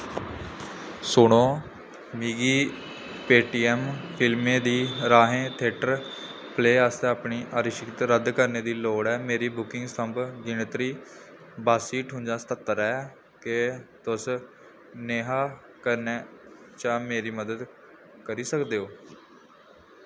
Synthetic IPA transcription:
sʊɽ̃õː | miːɡiː | peːʈiːɛːmpʰɪlmẽːd̪iːɾaːɦẽːt̪ʰeːʈəɾ | pʰleːaːst̪eaːpɳiːʔaːɾɪʃɪkt̪ɾəd̪kəɾneːd̪iːloːɽɛːmeːɾiːbʊkɪ̃ŋɡst̪əmbɡɪnət̪ɾiː | baːsiːʈʰʊ̃nd͡ʒaːst̪ət̪ːəɾɛː | ket̪ʊs | neːɦaː | kəɾneː | t͡ʃãːmeːɾiːməd̪əd̪ | kəɾiːsəkd̪eːoː

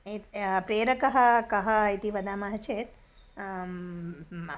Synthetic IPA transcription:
epɾeːɾəkəɦəkəɦəjt̪iʋəd̪ʱaːmãɦət͡ʃʰet̪

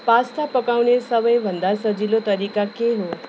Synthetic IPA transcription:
past̪ʰapəkaʋnesəʋəjʋʱə̃nd̪asəd͡ʒilot̪əɾiːkakeɦo

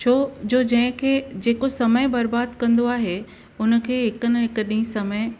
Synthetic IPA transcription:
t͡ɕʰoːd͡ʑoːd͡ʑɐ̃ɦɪ̃kʰeːd͡ʑeːkosɐməjbɐɾbaːd̪kɐ̃nd̪oaːɦe | ʊnə̆kʰeːɦɪkənɪ̆ɦɪkɗĩĩsɐməɪ

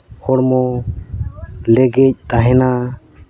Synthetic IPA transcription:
hɔɽmɔ | lɛɡɛc̚t̪aɦɛna

